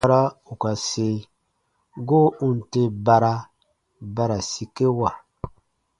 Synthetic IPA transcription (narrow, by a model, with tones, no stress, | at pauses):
ɾa˦u˨ka˨se˦ | ɡo˦ũ˦n̩˨te˦ba˧ɾa˦ | ba˦ɾa˨si˨ke˦wa˨